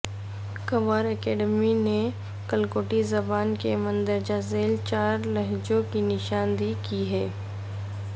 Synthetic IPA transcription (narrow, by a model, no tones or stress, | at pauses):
kɐʋaːɾɛkɛːɖəmine | kɐlkoːʈizɐbaːnkemɐ̃nd̪əɾd͡ʒazeːlt͡ʃaːɾlɐɦd͡ʒõkinɪʃaːnd̪ikiɦɛː